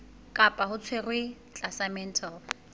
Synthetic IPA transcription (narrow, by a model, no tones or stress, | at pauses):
kʼapʼahʊt͡sʰwerwɪ | t͡ɬʼasamɛn̩tʰal